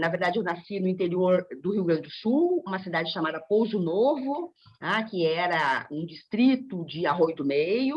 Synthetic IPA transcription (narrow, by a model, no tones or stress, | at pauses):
nɐveɾd̪ad͡ʒɪewnasinʊĩnt̪eɾioɾd̪ʊhiuwɡɾɐ̃d͡ʒɪd̪ʊsuwũmɐsid̪ad͡ʒɪʃamad̪ɐpowzʊnovʊ | akɪɛɾɐũd͡ʒist̪ɾit̪ʊd͡ʒɪaɦojd̪ʊmejʊ